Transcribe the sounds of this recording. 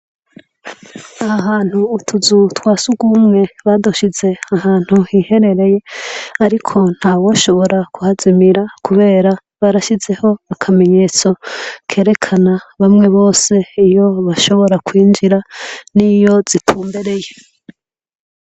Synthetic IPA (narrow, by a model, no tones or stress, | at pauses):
ahaɦaːn̥huːtʰuzutwaːsuɡumŋe̞βaduʃize̞ahaːn̥huhihe̞ɾe̞ɾe̞je̞aɾikʰo̞n̥haːwoʃo̞βo̞ɾakuhazimiɾakuβe̞ːɾa | βaɾaʃize̞ho̞akʰame̞ɲe̞ːt͡so̞kʰe̞ːɾe̞kʰanaβamŋe̞βo̞ːse̞ijo̞βaʃo̞βo̞ɾakwiːnd͡ʒiɾanijo̞z̥itʰuːmbeɾe̞je